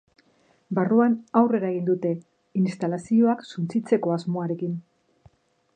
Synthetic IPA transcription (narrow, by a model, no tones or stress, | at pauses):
baruanawre̞ɾae̞ɣind̪ut̪e̞ | inst̪alasio̞aksunt͡sit͡se̞ko̞azmo̞aɾe̞kin